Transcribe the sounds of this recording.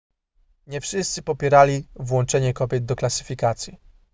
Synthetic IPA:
ɲɛfʂɘst̪sɘpɔpʲjɛɾalʲivwɔnt͡ʂɛɲɛkɔbʲjɛd̪d̪ɔklasɘ̥fʲikat̪sʲji

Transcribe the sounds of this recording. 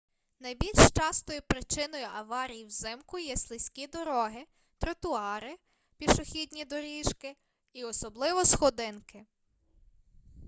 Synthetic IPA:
nɐjbʲilʲʃt͡ʃɑst̪ɔjʊpɾɪt͡ʃɪnɔjʊʔɐʋɑɾʲijiwzɪmkʊjɛslˠɪsʲkʲid̪ɔɾɔɦɪ | t̪ɾɔt̪ʊɑɾɪ | pʲiʃɔxʲidʲnʲid̪ɔɾʲiʃkɪ | iɔsɔblˠɪʋɔsxɔd̪ɪnkɪ

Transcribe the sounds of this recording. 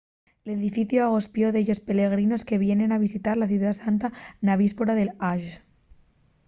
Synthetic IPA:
le̞ðifiθjoaɣo̞spjo̞ðeʝo̞spe̞le̞ɣ̞ɾino̞ske̞βje̞ne̞naβ̞isit̪aɾlaθjuðasant̪anaβispoɾaðe̞laʒ

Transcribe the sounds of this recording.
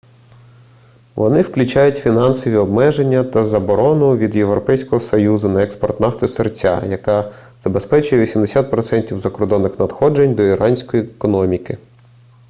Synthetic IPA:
ʋɔ̰nɪwklʲʊt͡ʃɑjʊtʲfʲinɑnsɔʋʲiɔb̚mɛʒe̞nʲːɐt̪ɐzɐbɔɾɔnʊʋʲid̪jeʋɾɔpɛjsʲkɔɦɔsɔjuzʊnɐɛkspɔrt̪nɑft̪ɪsert͡sʲa̰jɐkɑ | z̥ɐbespɛt͡ʃʊjɛʋʲisʲimd̪esʲat̪̚pɾɔt̪sɛnʲtʲiwzɐkɔrd̪ɔnːɪxnɐd̪xɔd͡ʒenʲd̪ɔiɾɑnʲsʲkɔjikɔnɔmʲikɪ

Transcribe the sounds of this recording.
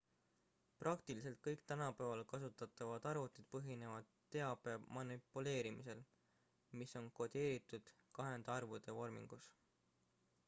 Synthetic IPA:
prɑkt̪ilis̬e̞lt̪̚kɤjkt̪ænɑpæevɑlkɑsut̪ːˑɑt̪ːˑɑvɑd̪̥ɑrvut̪ːˑid̪̥pɤɦine̞vɑd̪̥t̪ːe̞ɑb̥eɑmɑnipːˑule̞ːɾimise̞l | miso̞nko̞d̪̥e̞ːɾit̪ːˑud̪̥kɑɦe̞nd̪ɑrvud̪̥e̞vo̞rmḭŋɡ̥us

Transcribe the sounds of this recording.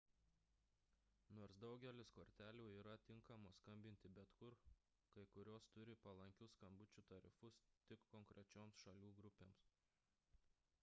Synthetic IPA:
noːɾsd̪ɒʊɡʲɛlʲɪskoːɾʲt̪ʲæːlʲuːiːɾɐt̪ʲɪŋkɐmoːskɐmʲbʲɪnʲt̪ʲɪbʲɛt̪kʊɾ | kɐɪkʊɾʲoːst̪ʊɾʲɪpɐlˠɐŋʲkʲʊskɐmbʊt͡ʃʲut̪ɐɾʲɪ̰fʊst̪ʲɪkkːɔŋkɾʲʔɛt͡ʃʲoːmsʃɐlʲuːɡɾʊpʲeːms

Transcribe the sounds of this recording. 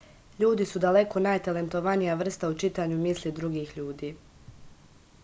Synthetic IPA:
ʎuːd̪isud̪ale̞kʰo̞najt̪ale̞nt̪oʋanijaʋr̩st̪aut͡ʃit̪aːɲumislid̪ɾuɡiːxʎuːd̪iː

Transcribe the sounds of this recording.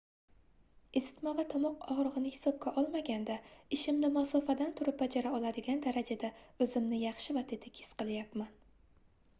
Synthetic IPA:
ɪzɪ̥t̪mavat̪ʰɒmɒqɒʁɾɨʁɨnɪhɪ̥sɒb̚kʲaʔɒlˠmaɡʲand̪aɪʃɪmnɪmasɒfad̪ant̪ʰʊɾɪp̚bad͡ʒaɾaɒlˠad̪ɪɡʲand̪aɾad͡ʒad̪aɵzɪmnɪjɑχʃɪvat̪ʰet̪ʰɪkʲʰɪ̥sqɨlˠjapman

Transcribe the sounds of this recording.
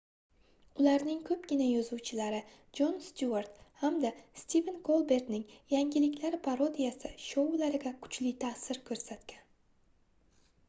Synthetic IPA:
ʊlaɾnɪŋkʰɵp̚ɡʲɪnajɒzuwt͡ʃʰɪlaɾɪ | d͡ʒonst̪uaɾt̪hamd̪ast̪ivenkʰolˠbe̞ɾd̪nɪŋjaŋʲɪlɪkʲlaɾɪpʰaɾo̞d̪ijasɪʃolaɾɪɡʲakʰʊ̥t͡ʃʰlɪt̪ʰaːsɪɾkʰɵɾsat̪kʲan

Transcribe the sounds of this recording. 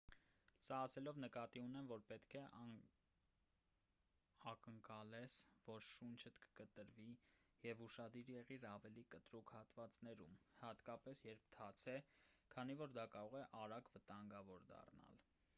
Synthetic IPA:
sɑːsɛlɔvnəkɑt̪iunɛmvɔɾpɛt̪kʰɛʔ | ɑkəŋkɑlɛsvɔɾʃunt͡ʃʰət̪kə̥kət̪əɾvijɛvuʃɑd̪iɾjɛʁiɾɑvɛlikət̪ɾukhɑt̪vɑt͡snɛɾṵmhɑt̪kɑpɛsjɛɾp̚ʰt̪ʰɑt͡sʰɛkʰɑn̪ivɔɾd̪ɑkɑɾɔʁɛʔɑɾɑɡvət̪ɑŋɡɑvɔɾd̪ɑ̰rnɑ̰l

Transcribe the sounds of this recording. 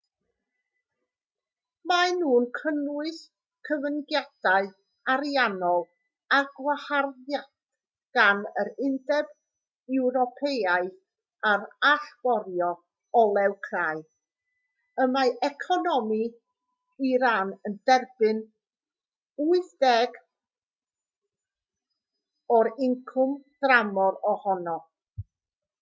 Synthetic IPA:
manuːnkʰənwɨs | kʰəvənɡjad̥aɨ | aɾijanɔlˠ | aɡwaharðjad̥ | ɡ̥anəɾɪndɛb | ɛwɾɔpʰeaɨ | aɾaɬb̥ɔɾjɔ | ɔlˠɛwkʰraɨ | əmaʔɛkʰɔnɔmi | iɾanəndɛrb̥ɨn | uɨθd̥ɛɡ | ɔɾɪŋkʰʊmd̥ramɔɾɔhɔnɔ

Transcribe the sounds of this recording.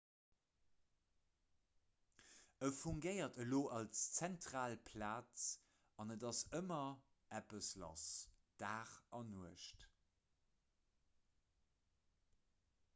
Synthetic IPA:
əfuŋɡəɪɐtʰəloːʔɑlst͡sæntʁaːlpʰlaːt͡s | ɑnədɑsəmɐ | ʔæpəslɑ̰sd̥aːχʔɑnuəʃt

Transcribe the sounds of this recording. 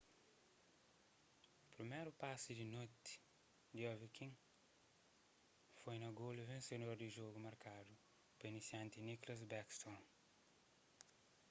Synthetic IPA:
upɾimejɾupasid̪inot̪i̥ | d̪iɔvikĩŋ | fojnɐɡoluvẽnsed̪oɾd̪iʒoɡumɐɾkad̪u | pɐnisiɐ̃nt̪iniklɐz̬bɛkst̪ɔ̃n

